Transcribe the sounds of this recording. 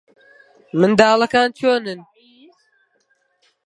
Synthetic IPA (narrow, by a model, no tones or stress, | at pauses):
mɨnd̪aːlˠɐkaːnt͡ʃʰoːnɨn